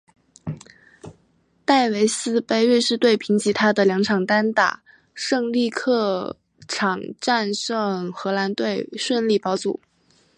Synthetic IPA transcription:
t̪a˥˩ɪwe˧˥ɪsɹ̩˥˧pe˥˧ɪɥɛ˥˧ʂɻ̩˥˧t̪we˥˩ɪpʰi˧˥ŋt͡ɕi˧˥t̪ʰa˥d̪ə˨ljɑ˧˥ŋʈ͡ʂʰɑ˨˩ŋt̪a˥nt̪a̰˨˩ | ʂɤ˥˧ŋli˥˧kʰɤ˥˩ | ʈ͡ʂʰɑ˨˩ŋʈ͡ʂa˥˧nʂɤ˥˩ŋxɤ˧˥la˧˥nt̪we˥˧ɪʂwə˥˧nli˥˩pɑ˧˥ʊt͡sṵ˨˩˦

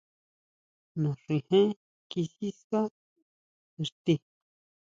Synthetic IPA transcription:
nũ˨ʂi˧˨hẽ˦ | ki˧si˦ska˦˧ | ɾt̪i˧

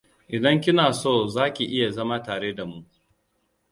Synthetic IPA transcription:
ʔɪ˨dɐ˦ŋk̬ʲɪ˦naː˨soː˦˨zaː˦kʲi˨ʔɪ˦ja˨zɐ˦maː˦taː˨ɽeː˦da˨mu˦ʔ

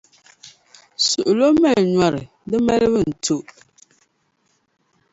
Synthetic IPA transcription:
su˨ʔʊ˨lo˦mɛ˦˨lɲa˦ɾɨ˨ | dɨ˦mɛ˦lɨ˦βɨ˦n̩˨tʰu˦ʔ

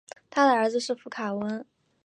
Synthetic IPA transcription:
t̪ʰa˥d̪ə˨ə˞˧˥d͡zɹ̩˧ʂɻ̩˥˩fu˧˥kʰa˨˩wə˧˥n

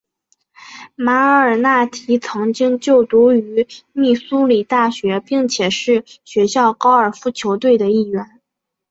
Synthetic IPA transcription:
ma˧˥ə˧ə˞˨˩na˥˩t̪ʰi˧˥t͡sʰɤ˧˥ŋt͡ɕi˥ŋt͡ɕjo˥˩ʊt̪u˧˥y˧˥mi˥˩su˥li˨˩t̪a˥˩ɕɥɛ˧˥pi˥˩ŋt͡ɕʰjɛ˨˩ʂɻ̩˥˩ɕɥɛ˧˥ɕjɑ˥˩ʊkɑ˥ʊə˞˨˩fu˥t͡ɕʰjo˧˥ʊt̪we˥˩ɪd̪ə˩i˥˩ɥɛ˧˥n

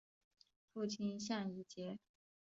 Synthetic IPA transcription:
fu˥˩t͡ɕʰi˥nɕja˥˩ŋi˧˥˩t͡ɕjɛ˧˥

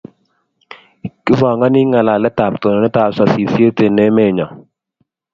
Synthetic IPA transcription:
kɪ˦vɔ˨ŋa˦nɪ˦ŋa˨la˨lɛ˦ta˨p̚t̪o˨nɔ˨nɛ˦ta˨sa˨si˨sje˦te˨ne˦me˦˨ɲɔ˨

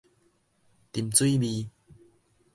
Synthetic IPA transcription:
t̪i˨˩mt͡swi˦bi˧

